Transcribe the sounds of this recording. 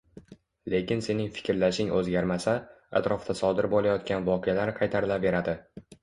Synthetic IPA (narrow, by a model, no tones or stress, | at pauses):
le̞kʲɪnse̞nɪŋfɪ̥kʲɾlaʃɪŋɵzɡʲaɾmasa | a̰t̪ɾɒft̪ʰasɒd̪ɪɾbolajɒt̪̚kʲanvɒqʰejalaɾqʰɑjt̪ʰaɾɪlave̞ɾad̪ɪ